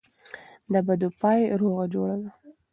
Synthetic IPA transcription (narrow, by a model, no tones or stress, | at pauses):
d̪əbad̪upɑjɾoɣad͡ʒoɽawa